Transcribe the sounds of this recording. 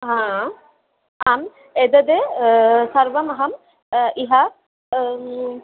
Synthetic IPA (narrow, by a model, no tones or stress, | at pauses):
ɦã | am | ed̪ɐd̪e | sɐɾʋɐmɐɦɐm | iɦa